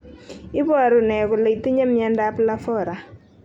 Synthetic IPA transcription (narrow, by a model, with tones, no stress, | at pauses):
ɪ˦bɔ˦˨ɾʊ˨nɛ˨kʊ˨le˨i˨ti˦ɲa˦mja˨nda˦pla˦fɔ˦˨ɾa˨